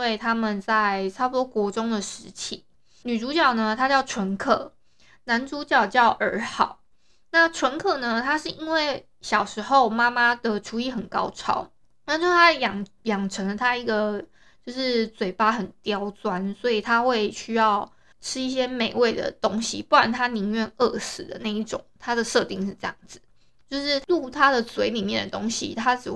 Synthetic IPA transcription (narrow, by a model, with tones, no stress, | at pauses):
we˥˩ɪt̪ʰa˥mə˨nt͡sa˥˩ɪt͡sʰa˥ʊpwɔ˧˥kwɔ˧˥ʈ͡ʂo˥ŋd̪ə˨ʂɻ̩˧˥t͡ɕʰḭ˨˩˦ | ny˨˩ʈ͡ʂu˧˥t͡ɕjɑ˥˩ʊnə˩t̪ʰa˥t͡ɕjɑ˥˩ʊʈ͡ʂʰwə˧˥nkʰɤ̰˥˩ | na˧˦nʈ͡ʂu˥t͡ɕjɑ˥˧ʊt͡ɕjɑ˥˩ʊʔə˞˧˥xɑ̰˨˩˦ʊ | na˥˩ʈ͡ʂʰwə˧˥nkʰɤ˥˩nə˨t̪ʰa˥ʂɻ̩˥˩i˦˥nwe˥˩ɪ | ɕjɑ˨˩ʊʂɻ̩˧˥xo˥˩ʊma˥ma˥d̪ə˨ʈ͡ʂʰu˧˥i˧˥˩xə˨˩nkɑ̰˥ʊʈ͡ʂʰɑ̰˥ʊ | na˥˩nʰo˥t̪ʰa˥jɑ˨˩ŋjɑ˨˩ŋʈ͡ʂʰə˧˥ŋlə˧t̪ʰa˥i˧˥ɡə˨ | t͡ɕjo˥˧ʊʂɻ̩˥˩t͡swe˨˩ɪpa˥xə˨˩nt̪jɑ˥ʊt͡swa˦nswɔ˧˥i˨˩t̪ʰa˥xwe˥˩ɪɕy˥jɑ˥˩ʊ | ʈ͡ʂʰɻ̩˥i˥˩ɕ̬jɛ˥me˨˩ɪwe˥˩ɪd̪ə̰˩t̪o˥ŋɕḭ˨pu˥˩wa˨˦nt̪ʰa˥ni˧˥ŋɥɛ˥˧nə˥˩sɹ̩˨˩d̪ə̰˩˦na˥˧ɪi˥˩ʈ͡ʂʊ̰˨˩˦ŋt̪ʰa˥d̪ə˨ʂɤ˥˧t̪i˥˧ŋʂɻ̩˥˧ʈ͡ʂɤ˥˧jɑ˥˩ŋd͡z̩˩ | t͡ɕjo˥˧ʊʂɻ̩˥˩lu˥˩t̪ʰa˥d̪ə˨swe˧˥ɪli˨˩mjɛ˥˩nd̪ə˨˩t̪o˥ŋɕḭ˨t̪ʰa˥t͡sɻ̩˨˩